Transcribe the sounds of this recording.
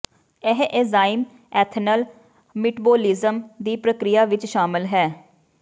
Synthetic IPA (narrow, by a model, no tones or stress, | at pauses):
ɛɦʔezaːɪm | ɛːt̪ʰnəl | mɪʈboːlɪzəmd̪iːpɾəkɾɪjaːʋɪt͡ʃʃaːmɪlɦɛː